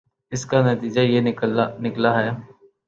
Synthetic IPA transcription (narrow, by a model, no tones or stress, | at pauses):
ɪskanɐt̪iːd͡ʒajenɪklaɦɛ